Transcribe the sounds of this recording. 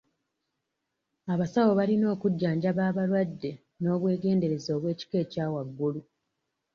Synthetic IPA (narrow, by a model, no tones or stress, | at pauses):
aβasawo̞βalino̞ːkuɟːaːɲɟaβaːβalwadːe | no̞ːβwe̞ːɡe̞ːnde̞ɾe̞zo̞ːβwe̞ːci̥ke̞ːcaːwaɡːulu